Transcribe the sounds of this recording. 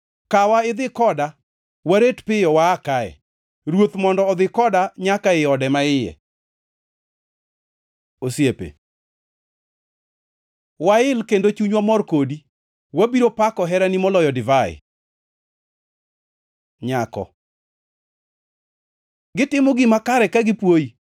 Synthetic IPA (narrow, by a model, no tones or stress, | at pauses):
kawaɪd̪ɪkɔda | waɾetpɪjɔwaːkaɛ̰ | ɾwot̪mɔndɔːd̪ɪkɔdaɲakaɪɔdɛmaɪjɛ̰ | osjepḛ | waɪlkendot͡ʃuɲwamɔrkodi | wabiɾopakɔɦɛɾanimɔlɔjɔdɪvaɪ̰ | ɲakɔ̰ | ɡɪtɪmoɡɪmakaɾɛkaɡɪpwoi